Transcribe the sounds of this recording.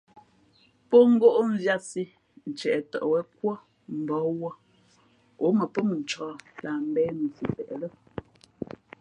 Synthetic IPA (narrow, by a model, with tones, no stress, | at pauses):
po˦ŋ̩˦ɡo˦ʔo˦m̩˦vja˦si˦ | n̩˨t͡ʃɛ˨ʔɛ˨tɔ̰˨ʔwɛ˦kwɔ˦ | m̩˨bɔ˨˦wɔ˦ | o˨˦mə˨pə˦m˨n̩˨t͡ʃɔ˨˦la˨m̩˦bɛː˦n̩˨si˨pɛ˨ʔlə˦